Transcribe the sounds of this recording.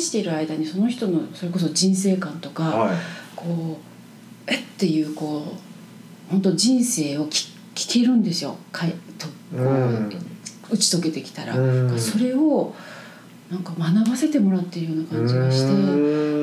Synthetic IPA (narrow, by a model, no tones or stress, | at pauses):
ɕi̥t̪e̞iɾɯ̟aid̪aɲ̟iso̞no̞çi̥t̪o̞no̞so̞ɾe̞ko̞so̞d͡ʑĩɰ̃se̞ːkãnt̪o̞kakʰo̞ː | et̪ːe̞jɯ̟ːko̞ː | hõ̞nt̪̬o̞d͡ʑĩɰ̃se̞ːo̞kʲi̥ | kʲi̥ke̞ɾɯ̟̃nd̪e̞sɨjo̞̰kʰat̪o | kko | ɯ̟t͡ɕi̥t̪o̞ke̞t̪e̞kʲi̥t̪aɾa̰ɡaso̞ɾe̞o̞ | nãŋkamanaβase̞t̪e̞mo̞ɾat̪ːe̞ɾɯ̟jo̞ːnakãɲd͡ʑiɡaɕi̥t̪e̞